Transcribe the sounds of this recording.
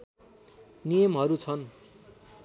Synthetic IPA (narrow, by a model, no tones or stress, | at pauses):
nijʌmɦʌɾut͡sʰʌn